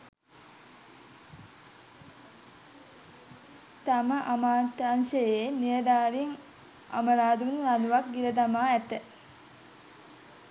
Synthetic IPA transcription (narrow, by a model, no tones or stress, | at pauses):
t̪aməʔamaːnt̪ːansəjenijəd̪aːɾiŋ | a̰məɾaːd̪unnanuʋakɡiɾəd̪amaːæt̪ə